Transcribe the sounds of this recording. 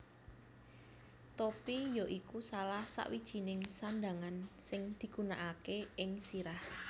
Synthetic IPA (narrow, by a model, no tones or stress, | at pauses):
t̪opijoʔikusalahsa̰ʔwid̥ʒ̥i̤nɪŋsand̪aŋansɪŋd̪̥i̤ɡ̥ṳnaʔakeɪŋsiɾah